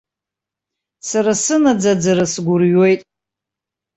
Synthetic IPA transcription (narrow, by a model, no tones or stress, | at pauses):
saɾasɨnad͡zad͡zaɾasɡʷʊrɥojtʼ